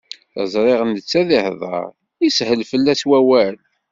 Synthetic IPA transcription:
θə̰zˤɾˤeʁənət͡sːæðihðˤɑ̰ɾˤ | ishəlfəlːæswæwæl

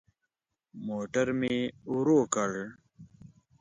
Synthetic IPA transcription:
moːʈəɾmeuɾoːkɐɽ

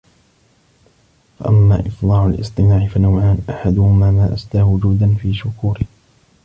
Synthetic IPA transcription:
fa̰ʔamːaːʔɪfˤlˤɑːʕʊlʔɪ̰sˤt̪ˤɨmaːʕɪfanawʕaːnʔaħad̪ʊhʊmaːmaːʔast̪aːhʊd͡ʒuːd̪anfiːʃʊkuːɾɪh

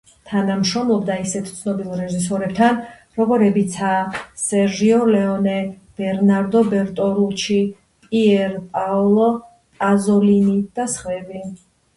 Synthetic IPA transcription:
t̪ʰanamʃɾɔmlˠɔbd̪aisɛt̪ʰt̪sʰnɔbilˠɾɛʒis̬ɔɾɛbt̪ʰan | ɾɔɡɔɾɛbit̪sʰaːsɛɾʒiɔlɛɔnɛ | b̥ɛɾnaɾd̪ɔbɛɾt̪ʼɔɾulˠt͡ʃʰi | pʼiɛɾpʼaɔlˠɔ | pʼazɔlinid̪̥asχwɛbi

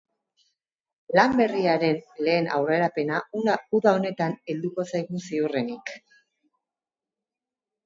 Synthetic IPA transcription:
lambe̞riaɾe̞nle̞ːnʔa̰wre̞ɾape̞nauðao̞ne̞t̪ane̞ld̪uko̞sajɣusiure̞nik

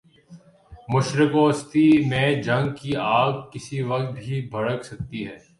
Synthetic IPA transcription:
mʊʃɾɪkoːst̪imẽd͡ʒɐ̃ŋɡ̚kiaːɡ̚kɪsiʋɐk̚t̪̚bʱibʱɐɽəksɐk̚t̪iɦɛː

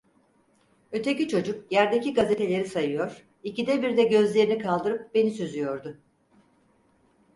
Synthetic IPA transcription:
ø̞t̪ʰe̞cit͡ʃʰo̞d͡ʒukjæɾd̪eciɡazet̪ʰe̞lʲe̞ɾisajɯjo̞ɾ̥ | icid̪ɛbiɾd̪ɛɟø̞zlʲe̞ɾinikʰalˠd̪ɯɾɯp̚be̞nisyzyjo̞ɾd̪ʊ

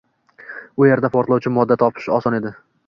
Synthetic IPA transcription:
ʊje̞ɾd̪apʰɒɾt̪lˠɒwt͡ʃʰɪmɒd̪ːat̪ʰɒpʰɪ̥ʃɒsɒne̞d̪ɪ

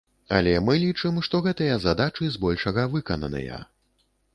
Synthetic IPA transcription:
a̰lʲɛmɨlʲit͡ʂɨmʂt̪ɔɣɛt̪ɨjɐzad̪at͡ʂɨzbɔlʲʂɐɣɐvɨkɐnɐ̰nɐ̰jɐ̰

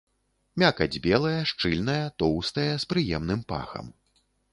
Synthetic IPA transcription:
mʲakɐd͡zʲbʲɛlˠɐjɐʂt͡ʂɨlʲnɐjɐt̪ɔwst̪ɐjɐspɾɨjɛmnɨmpa̰xɐ̰m

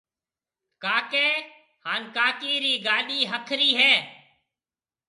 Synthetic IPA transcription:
kaːkeː | haːnkaːkiːɾiːɡaːɗiːɦəkʰɾiːɦɛː

